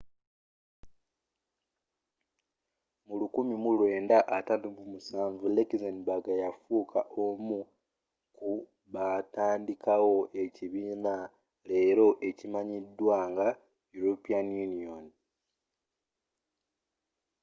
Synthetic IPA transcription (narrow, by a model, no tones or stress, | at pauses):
mulukumimulwe̞ːndaʔatatumumusaːɱvulekizenbaɡajafuːkʰaʔo̞mu | ku | βataːndikawo̞ʔe̞ciβiːna | le̞ːɾo̞ʔe̞cimaɲidːwaːŋɡa | juɾopianjunion